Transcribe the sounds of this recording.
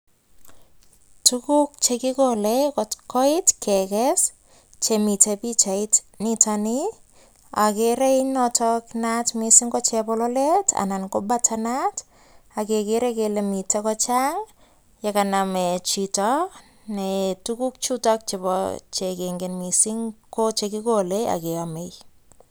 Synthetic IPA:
tukuk̚t͡ʃekɪkolɛkɔtkɔɪtkʰɛkɛs | t͡ʃemitepit͡ʃait | nitani | akereinɔtʰɔknatmisiŋɡɔt͡ʃɛpɔlɔletʰa̰nankobatʰanat | akekeɾekelemitekɔt͡ʃaŋ | jakanamɛt͡ʃitɔ | nɛtukuk̚t͡ʃutɔk̚t͡ʃebɔ̰t͡ʃekeŋɡenmisiŋkot͡ʃekikolea̰keamej

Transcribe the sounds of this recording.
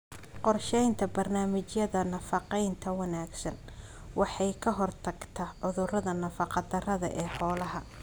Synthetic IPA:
qɔrʃɛjnt̪ʰɐbɐrnaːmɪt͡ʃjɐðɐnɐfɑqɛjnt̪ʰɐwɐnaːɡsɐn | wɑħɑjkʰɐɦɔrt̪ʰɐɡt̪ʰɐʕʊðʊrɐðɐnɐfɑqɑd̪ɐrɐðɐ̰ʔɛːħɔːlɐɦɐ

